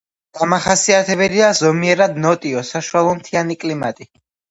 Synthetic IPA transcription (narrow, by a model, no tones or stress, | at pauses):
ɡ̥amaχasiat̪ʰɛbɛd̪iazɔmiɛɾad̪nɔt̪ʼiɔsaʃuwalˠɔmt̪ʰianikʼlimat̪ʼi